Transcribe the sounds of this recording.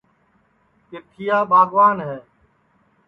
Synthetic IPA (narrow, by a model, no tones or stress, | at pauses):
kɪt̪ʰɪjaːbʱaːɡʋaːnɦɛː